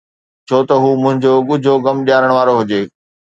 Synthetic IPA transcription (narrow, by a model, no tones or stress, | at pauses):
t͡ɕʰoːt̪ɐɦuːmʊ̃ɦɪ̃ɲd͡ʑoɠʊd͡ʑʱoɡɐmɗjaːɾəɽ̃ʋaːɾoɦʊd͡ʑeː